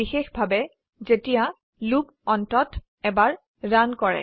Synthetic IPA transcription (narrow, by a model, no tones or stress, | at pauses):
ixexbʱabɛ | zetija | lup | ɔntɔt | ɛbaɹ | ɹankɔɹɛ̰